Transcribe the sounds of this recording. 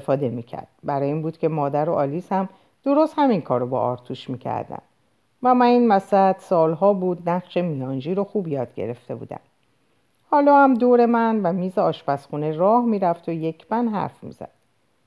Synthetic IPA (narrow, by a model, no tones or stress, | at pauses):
efɒːd̪e̞micʰæ̰ɾd̪̥̚bæɾɒːjeiːnbuːd̪̥kcʰe̞mɒːd̪æɾo̞ʔɒːlishæm | d̪̥o̞ɾost̪hæmiŋkʰɒːɾobɒ̰ɒːɾt̪ʰuʃmiːcʰæ̰ɾd̪æ̰n | væmæniːnmæsæd̪̥sɒːlɦɒːbuːd̪næʁʃe̞mijɒːnd͡ʒiːɾoxuːbjɒːd̪̥̚ɟe̞̰ɾe̞ft̪e̞bṵːd̪æ̰m | hɒːlɒːhæmd̪oːɾe̞mænvæmiːzeɒːʃbæsxuːnerɒːhmiːɾæft̪ʰoje̞cʰb̥ænɦæ̰ɾfmḭːz̥æ̰d̪̥